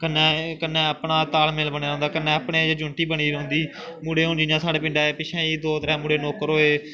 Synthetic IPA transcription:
kənːɛ̃ːkənːɛ̃ːəpɳaːt̪aːlmeːlbəɳeːɾõːnd̪aːkənːɛ̃ːəpɳeːd͡ʒd͡ʒʊɳʈiːbəɽ̃iːɾõːʊ̃nd̪iː | muːɽeːɦʊ̃ːnd͡ʒɪnjãːsaːɽeːpɪ̃ɳɖaːeːpɪʃʰɛ̃ːiːd̪oːt̪əɾɛ̃ːmuːɽeːnoːkəɾɦoːeː

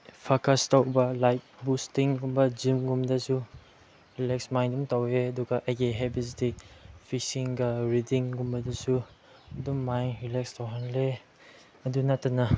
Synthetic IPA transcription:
pʰakastawbɐlajt̚bustiŋɡumbɐd͡ʒimɡumdɐsu | ɾilek̚smajndumtaweɐduɡɐʔɐjɡeɦebis̬dipʰisiŋɡɐɾidiŋɡumbɐdɐsu | ɐdumːajŋɾilekstawɦanle | ɐdunatɐna

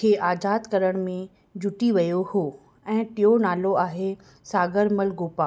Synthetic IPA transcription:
kʰeːʔaːzaːd̪kɐɾəɽ̃mẽ | d͡ʑʊʈiʋɐjohoː | ɛ̃ːʈɪjonaːloaːɦe | saːɡəɾməlɡoːpaː

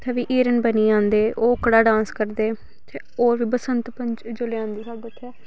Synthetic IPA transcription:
t̪ʰɛːʋiːʔiːɾənbəniːãːnd̪eːʔoːʊkɽaːɖãːnskəɾd̪eː | t̪ʰeːoːʋiːbəsənt̪pə̃ɲt͡ʃd͡ʒoleãːnd̪iːsaɡʊt̪ʰːɛː

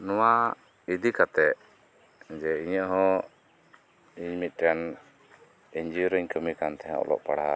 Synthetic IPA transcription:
nɔwa | id̪ikat̪ɛʔ | d͡ʒɛiɲəʔɦɔ̃ | iɲmit̪̚ˀʈɛn | iɲd͡ʒiɾəɲkəmikant̪ɛjã̰ɔ̰lɔ̰ʔpaɽa

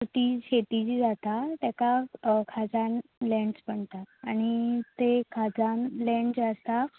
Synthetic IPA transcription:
ət̪iɕet̪id͡ʑid͡zat̪at̪ɛkakʰad͡zanlɛ̃ɳɖspəɳt̪at̪aɽ̃it̪ekʰad͡zanlɛ̃ɳɖd͡zəst̪a

